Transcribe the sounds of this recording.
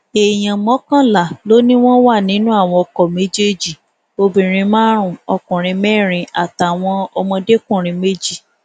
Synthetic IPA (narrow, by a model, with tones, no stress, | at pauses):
e˨j̃ã˨mɔ̃˨˦kã˦˨la˨lo˦nĩ˦w̃ɔ̃˦wa˦˨nĩ˨˦nũ˦a˦˨w̃ɔ̃˧ɔ˧kɔ˨me˨˦d͡ʒe˦d͡ʒi˦˨ | o˧bĩ˨ɾ̃ĩ˧mãː˦ɾ̃ũ˦˨ɔ˧kũ˨ɾ̃ĩ˧mɛ˦˨ɾ̃ĩ˧a˦˨ta˨w̃ɔ̃˧ɔ˧mɔ̃˧de˦kũ˦˨ɾ̃ĩ˧me˦d͡ʒi˦˨